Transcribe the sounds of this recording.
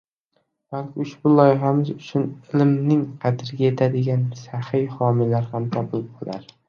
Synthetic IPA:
b̥alkʲɪʊʃbʊlˠɒjɪɦamɪzʊt͡ʃʰʊnɪlɪmnɪŋqʰɑd̪ɪɾɡʲaje̞t̪ʰad̪ɪɡʲansahɪjhɒmɪlaɾhamt̪ʰɒbʊlˠɪb̚bola̰ɾ

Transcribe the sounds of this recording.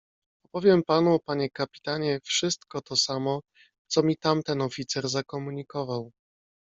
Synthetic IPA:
ɔpɔvʲjɛmpanuɔpaɲɛkapʲi̥t̪aɲɛfʂɘst̪kɔt̪ɔsamɔ | t̪sɔmʲit̪amt̪ɛnɔfʲit̪sɛɾzakɔmuɲikɔvaw

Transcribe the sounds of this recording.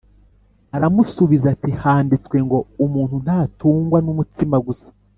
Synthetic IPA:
aɾamusuβizatihaːndit͡swe̞ŋɡo̞umuːn̥hun̥haːtuːŋɡwanumutimaɡusḁ

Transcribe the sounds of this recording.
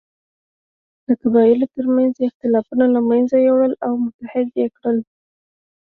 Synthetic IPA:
d̪̥əkabɑjɪlot̪əɾmanzɪxt̪ɪlɑfunalamanzajewɽəlawmʊt̪ahɪd̪jekɽəl

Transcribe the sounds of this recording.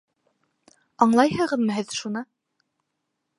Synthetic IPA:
ɑɴlˠɑjhɤ̆ʁɤ̆ðmɤɦɘðʃunɤ

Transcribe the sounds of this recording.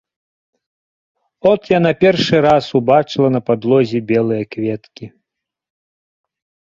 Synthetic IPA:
ɔt̪janapʲɛrʂɨɾasubat͡ʂɨlˠɐnɐpad̪lˠɔzʲibʲɛlˠɨjɐkvʲɛt̪kʲi

